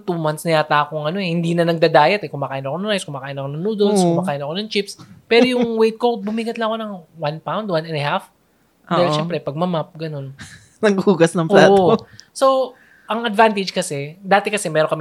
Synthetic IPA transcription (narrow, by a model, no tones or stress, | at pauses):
t̪umɐnt̪snɐjaːt̪aːkoŋʔɐno̞ɛhɪnd̪iːnɐnɐɡ̚d̪aːd̪aːjɐt̪ɛkʊmaːkaːjnɐkoɐŋɾajskʊmaːkaːjɐnɐkonɐŋnuːd̪olskʊmaːkaːjɐnɐkonɐŋt͡ʃɪpspɛɾɾojʊŋwejt̪̚kobʊmiɡɐt̪lɐŋɐko̞nɐŋwanpawnd̪̚wanɛnɐhaf | ʔdaːhɪlʃɛmpɾɛpɐɡ̚mɐmap̚ɡɐno̞n | nɐŋɡuːɡɐsnɐŋpʔlaːʔooso | ʔɐŋɐd̪vant̪ɪd͡ʒkɐsɛd̪aːt̪ɛkɐsɛmɛːɾoŋkɐm